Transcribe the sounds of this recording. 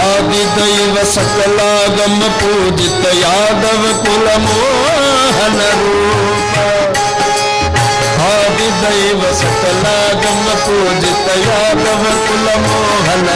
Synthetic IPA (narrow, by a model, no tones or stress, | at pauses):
aːd̪id̪ɐiʋɐsɐkɐlaːɡɐmɐpu | d͡ʒɪt̪ɐjaːd̪ɐʋɐkʊlɐmo | ɦɐnɐɾu | ɦaːd̪id̪ɐiʋɐsɐkɐlaːɡɐm | puːd͡ʒɪt̪ɐjaːd̪ɐʋɐkʊlɐmo | ɦɐnɐ